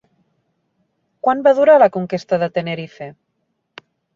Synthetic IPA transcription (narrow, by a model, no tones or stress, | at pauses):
kwanbaðuɾalakuŋkest̪aðət̪eneɾife